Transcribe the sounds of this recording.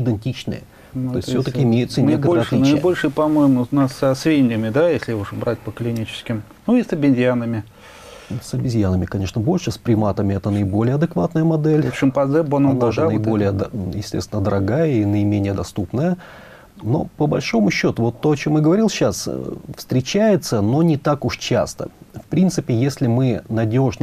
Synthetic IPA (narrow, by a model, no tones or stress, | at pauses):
ɪd̪ɨnʲtʲit͡ɕnɨ̰jə̰ | t̪ojɪsʲsʲot̪əkʲɪɪmʲejʊt̪sənʲebkt̪əɾəɐt̪lʲinəɪbo̞lʲʂɨpɐmojɪmʊnasəsvʲenʲdʲɪmʲɪd̪ajesʲlʲɪuʐɨbɾat̚ʲpəklʲɪnʲit͡ɕɪ̥skʲɪm | nuisəbʲɪnʲzʲjanəmʲɪ | səbʲɪzʲjanəmʲɪkɐnʲe̞ʂnəbo̞lʲʂɨsʲpɾʲɪmat̪əmʲɪɛt̪ənəɪbo̞lʲɪjəɐd̪ɨkvat̪nəjəmɐd̪ɛlʲfɪmpɐzɛbonovaʐnəɪbo̞lʲɪjəd̪jɪsʲtʲesʲɪnəd̪əɾɐɡajəinəɪmʲenʲɪjəd̪ɐst̪upnəjə | no̞̰pəbɐlʲʂo̞mʊɕːo̞t̪ʊvo̞t̪ːo̞ɐt͡ɕo̞mjɨɡəvɐɾʲilˠɕasfst̪ɾʲɪt͡ɕæjɪt̪səno̞nʲɪt̪akʊʂt͡ɕa̰st̪ə̰fpɾʲint̪sɨpʲɪjesʲlʲɪmɨnɐdʲo̞ʐn